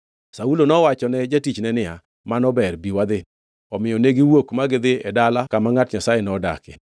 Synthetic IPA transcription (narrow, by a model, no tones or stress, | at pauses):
saulonɔwat͡ʃɔnɛd͡ʒatit͡ʃnɛnɪa | manɔbɛrbiwad̪ɪn | ɔmɪjɔneɡɪwokmaɡɪd̪ɪɛdalakamaŋatɲasajenɔda̰kɛ̰